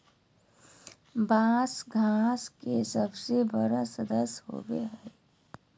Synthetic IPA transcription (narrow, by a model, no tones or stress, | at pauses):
bãːsɡʱaːskesəbsebəɾasəd̪əsɦo̰ːwḛɦɛː